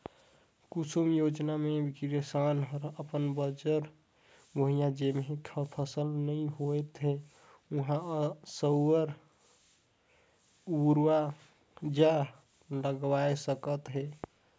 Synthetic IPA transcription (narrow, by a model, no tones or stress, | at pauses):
kusumjod͡ʒnamebikɾesanɦəɾəpənbəd͡ʒəɾ | boɦijãd͡ʒemɦekʰəpʰəsəlnəĩɦojt̪ɦe | uɦãsəwəɾ | uɾwa | d͡ʒa | ləɡwaesəkət̪ɦe